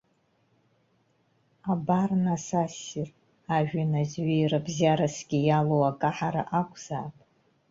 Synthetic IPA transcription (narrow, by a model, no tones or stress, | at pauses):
abarnasasir | aʒᶣanazɥijrabzjaɾasɡʲijalowakʼaħaɾa̰ʔakʷʼʰz̥aːpʼ